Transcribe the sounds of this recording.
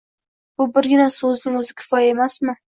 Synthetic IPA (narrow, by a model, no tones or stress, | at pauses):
b̥ʊbɪɾɡʲɪnasɵznɪŋɵzɪkʲʰɪ̥fɒjae̞masmɪ